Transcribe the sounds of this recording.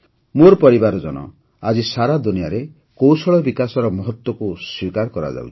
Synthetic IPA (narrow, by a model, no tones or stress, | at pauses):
moɾpɔɾibaɾɔd͡ʒɔnɔ̰ | ad͡ʒisaɾad̪unijaɾe | kowsɔɭɔbikasɔɾɔmɔɦɔt̪wɔkuswikaɾkɔɾa̰d͡ʒa̰wt͡ʃʰi̥